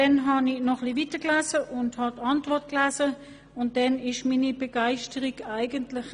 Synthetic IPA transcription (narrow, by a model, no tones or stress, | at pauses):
dɛnɦɑninɔχlivitəklæːzəʔʊnthɑtɑntvɔɐt̚klæːzə | ʊnt̚d̥ɛnɪʃmiːnibɛɡ̥aɪʃtəʁiɡaɪɡəntlɪχ